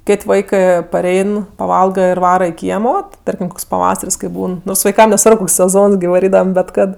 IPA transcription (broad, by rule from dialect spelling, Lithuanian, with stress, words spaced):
ˈkʲeːtʲ ˈʋɐɪkɜ pɐˈrʲɛɪn pɐˈʋɐlˠɡɐ ɪr ˈʋɑːrɐ ɪ ˈkʲiɛmoː tʲɪ ˈtɐrʲkʲɪm ˈkoːks pɐˈʋɑːsɐrʲsʲ kɐɪ ˈbuːn ʋɐɪˈkɐm nʲɛˈsʋɐrp ˈkoːks sʲɛˈzoːns ɡʲɪ ʋɐˈrʲiːdɐʋɐm bʲɛt ˈkɐt